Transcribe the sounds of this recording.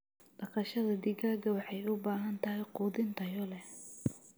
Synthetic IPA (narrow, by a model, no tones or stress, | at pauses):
d̥ɐqɑʃɐðɐd̪ɪɣaːɡɐwɑħɑjʊbaːɦɐnt̪ʰɐɦɛjquːðɪnt̪ʰɐjɔlɛ